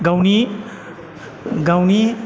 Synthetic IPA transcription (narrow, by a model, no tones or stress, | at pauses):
ɡawni | ɡawni